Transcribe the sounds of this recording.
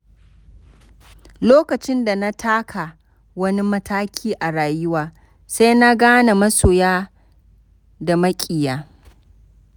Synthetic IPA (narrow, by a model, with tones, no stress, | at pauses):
loː˦kɐ˨t͡ʃɪ˦nda˨na˦tʰaː˦kʰa˨ | wɐ˦ni˦mɐ˦tʰaː˦kʲʰiː˦ʔa˨ɽaː˨jʊ˦waː˨ | sa˦jna˦ɡaː˦na˨mɐ˦soː˨jaː˦ | da˨mɐ˦kʲʼɪ˨jaː˦